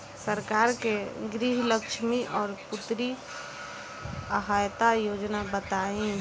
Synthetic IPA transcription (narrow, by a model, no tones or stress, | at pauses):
səɾkaːɾkeɡɾiɦləkʃʰmiʔɔːɾpʊt̪ɾi | əɦajt̪ajod͡ʒnabət̪aĩ